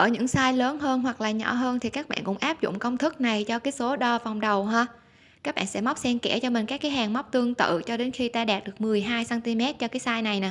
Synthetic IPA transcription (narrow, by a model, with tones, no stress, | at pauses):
ʔəː˧˩ɲɨ̰˧˥ŋsaː˧jləː˨˦nɦəː˧nɦwa˨˩k̚laː˨˩ɲɔ̰˧˩ɦəː˧nt̪ʰi˨˩kaː˦˥k̚ɓa̰ː˧˨nkʊ̰˧˥ŋ͡mʔaː˦˥p̚zʊ̰˧˨ŋ͡mkə˧wŋ͡mt̪ʰɨ˦˥k̚na˨˩jt͡ɕɔ˧kaː˨˦jso˨˦ɗɔ˧˩va˨˩wŋ͡mɗə˨˩wɦaː˧ | kaː˦˥k̚ɓa̰ː˧˨nsɛ̰˧˥ma˦˥k͡p̚sɛ˧nkɛ̰˧˩t͡ɕɔ˧mï̟˨˩kaː˦˥kːaː˨˦jɦaː˨˩ŋma˦˥wk͡p̚t̪ɨ˧əŋt̪ɨ̰˧˨t͡ɕɔ˧ɗe˨˦nxi˧t̪aː˧ɗaː˨˩t̚ɗɨ˨˩ək̚mɨ˨˩əjɦaː˧jsaː˧nt̪i˧mɛ˦˥t̚t͡ɕɔ˧kaː˨˦jsaː˧jna˨˩jnaː˨˩